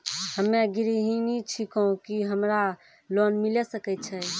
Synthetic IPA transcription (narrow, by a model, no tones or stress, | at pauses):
həmːẽɡiɾiɦinit͡ʃʰikoũkiɦəmɾa | lonmilɛsəkɛt͡ʃʰɛ